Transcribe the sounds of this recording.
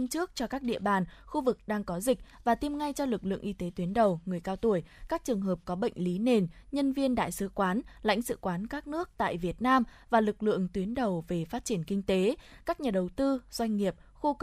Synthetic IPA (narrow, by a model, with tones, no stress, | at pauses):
t͡ɕɨ˦˥ək̚t͡ɕɔ˧kaː˦˥k̚ɗḭ˧əɓaː˨˩nxu˧vɨ˨˩k̚ɗaː˧ŋkɔ˨˦zi˨˩k̟̚vaː˨˩t̪i˧mŋa˧jt͡ɕɔ˧lɨ˨˩k̚lɨ̰˧˨əŋʔi˧t̪e˨˦t̪wi˨˦ənɗə˨˩wŋɨ˨˩əjkaː˧wt̪u˧˩əjkaː˦˥k̚t͡ɕɨ˨˩əŋɦəː˨˩p̚kɔ˨˦ɓə̰˧˨jŋ̟li˨˦ne˨˩nɲə˧nvi˧ənɗa̰ː˧˨jsɨ˨˧˦kwaː˨˦nla̰˧˥jŋ̟sɨ̰˧˥kwaː˨˦nkaː˦˥k̚nɨ˦˥ək̚t̪a̰ː˧˨jvi˨˩ət̚naː˧m | vaː˨˩lɨ˨˩k̚lɨ̰˧˨əŋt̪wi˨˦ənɗə˨˩wve˨˩faː˦˥t̚t͡ɕi˧˩ənkï˧ŋ̟t̪e˨˦kaː˦˥k̚ɲaː˨˩ɗə˨˩wt̪ɨ˧z̥wa˧jŋ̟ŋi˨˩əp̚ | xo˧